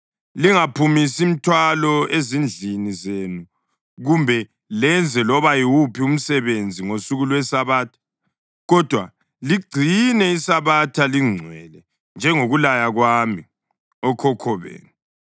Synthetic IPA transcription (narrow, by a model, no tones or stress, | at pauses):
liŋapʰumisim̩tʰwalɔezind͡ɮʱinizenu | ɣumbʱɛ | lɛnd͡zʱɛlɔβajiwupʰium̩sɛβend͡zʱiŋosuɣulwɛsaβaːtʰḁ | ɣɔd̥ʱwa | liɡ͡ǀʱinɛisaβatʰaliŋ͡ǀʱwɛlɛ | nd͡ʒʱɛŋoɣulajaɣwami | ɔkʰɔkʰɔβḛːnu